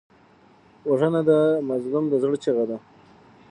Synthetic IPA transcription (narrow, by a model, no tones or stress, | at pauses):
waʐənad̪əmazlʊmd̪əzɽt͡ʃeɣad̪a